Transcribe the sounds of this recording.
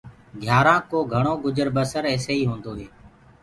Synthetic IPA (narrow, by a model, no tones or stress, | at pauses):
ɡʱjaːɾãːkoːɡʱəɳ̃oːɡʊd͡ʒəɾbəsəɾɛːseːiːɦõːnd̪oːɦeː